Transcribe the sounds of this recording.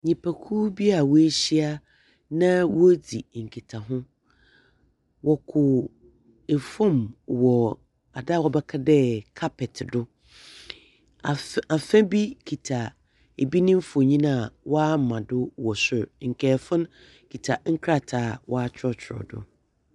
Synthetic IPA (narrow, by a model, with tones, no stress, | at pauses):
ɲĩ˨pʰæ˨kʰuː˦bi˦a˨wɔ˦e˦ɕi˦a˦ | nã˦wɔ˦d͡zi˨ŋ̩˨kʰi˨tʰa˨ɦʊ̃˦ | wɔ˨kʰʊ˨ | e˨fɔ̃˦mwɔ˨ | a˨da˦˨wɔ˦bɛ˦kʰa˦dɛ˦kʰa˦pʰɛ˨tʰdʊ˦ | a˨a˨fɛ̃˦bi˦kʰi˨tʰa˨ | e˨bi˦nɪ̃˦m˦fɔ˨ɲĩ˦nã˦˨wɔ˦a˦˨mã˨dʊ˦wɔ˨sʊ˨ɾŋ̩˨kʰɛ˨fʊ̃˦n | kʰi˨tʰa˨ŋ̩˦kʰɾa˦tʰaː˨wʔɔ˦a˦t͡ɕʰɾɔ˦t͡ɕʰɪ˨ɾɔ̰˨dʊ̰˨